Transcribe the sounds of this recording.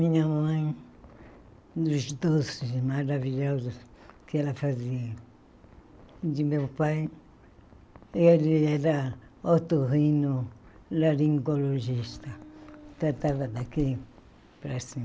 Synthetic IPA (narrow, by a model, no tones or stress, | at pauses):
mĩɲamãj̃ | d̪uʃd̪osmaɾaβiʎozokeelafazia | d̪imeupaj | eaɾiaɾaot̪ohinoɾaɾiŋkoloʒist̪at̪at̪aβad̪aki | pɾasi